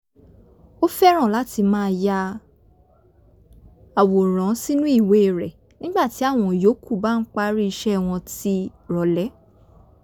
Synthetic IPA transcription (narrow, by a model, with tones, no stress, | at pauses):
o˦fɛ˦ɾ̃ã˦˨la˨˦ti˧mãː˦˧ja˧ | a˨wo˨ɾ̃ã˨˦si˦nũ˦i˦˨we˨˦˨ɾɛ˨ | nĩ˦ɡ͡ba˦˨ti˨˦a˦˨w̃ɔ̃˧˨jo˨˦kʰu˦˨ba˦n̩˦k͡pa˧ɾi˦i˧ʃɛ˦˨w̃ɔ̃˧ti˧˦ɾɔ˨˦lɛ˨˦